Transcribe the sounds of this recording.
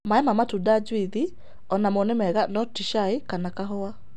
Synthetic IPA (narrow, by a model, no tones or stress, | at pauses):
maɛmamatudad͡ʒwiði | ɔnamonɛmɛɣanɔtiʃaikanakaɦɔa